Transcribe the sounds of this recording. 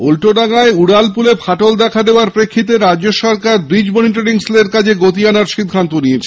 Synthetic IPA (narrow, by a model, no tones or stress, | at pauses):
ulʈoɖaŋaeuɽalpulepʰaʈold̪ɛkʰad̪eoaɾpɾekʰːit̪̬eɾadːoʃɔɾkaɾbɾid͡ʑmoniʈ̬oɾiŋsleɾkad͡ʑʰeɡot̪ianaɾʃid̪ʱːant̪oniet͡ɕʰe